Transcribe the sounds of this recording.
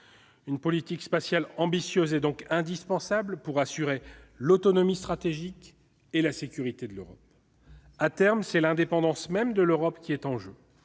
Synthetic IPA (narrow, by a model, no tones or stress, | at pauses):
ynpɔlit̪ikspasjalɑ̃bisjøzɛd̪ɔ̃kɛ̃d̪ispɑ̃sablpuʁasyʁelot̪ɔnɔmist̪χat̪eʒik | elasekʲyʁit̪ed̪əløʁɔ̰p | at̪ɛʁmsɛlɛ̃d̪epɑ̃d̪ɑ̃smɛmd̪əløʁɔpkʲiɛt̪ɑ̃ʒø